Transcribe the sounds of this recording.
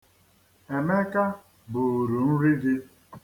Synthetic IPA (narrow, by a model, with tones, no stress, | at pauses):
e˨me˦ka˦ | bʊ˨ɾu˨n̩˦ɾi˦dɪ˦